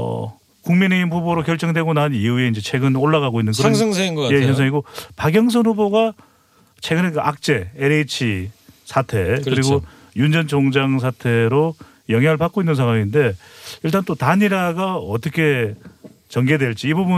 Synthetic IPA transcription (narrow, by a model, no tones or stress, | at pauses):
ʌ̰ | kuŋmineimɸuboɾokjʌɭt͡ɕ͈ʌŋdwe̞ɡonaɯniue̞ind͡ʑe̞t͡ɕʰe̞ɡɯnoɭːaɣaɡoinːɯnkɯɾʌŋsʰʌŋsʰaiŋɡʌjesʰʌns̬ʰaŋiɡopaɡjʌŋs̬ʰʌnɦuboɡa | t͡ɕʰe̞ɡɯnekɯʔak̚t͡ɕ͈e̞eɾet͡ɕʰisʰatʰe̞kkɯɾiɡo | jund͡ʑʌnt͡ɕoŋd͡ʑaŋs̬ʰatʰe̞ɾo | jʌŋɦjaŋɯɭpak͈oinːɯnsʰaŋwaŋinde̞iɭt͈ant͈otanɲiɾaɡaʌt͈ʌkʰe̞ | t͡ɕʌŋɡe̞dweɭt͡ɕ͈iːbubu